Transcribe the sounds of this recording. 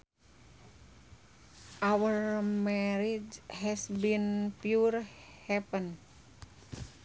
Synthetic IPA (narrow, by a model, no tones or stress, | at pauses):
ʔawəɹmɛɾid͡ʒhɛsbinpjurhɛpən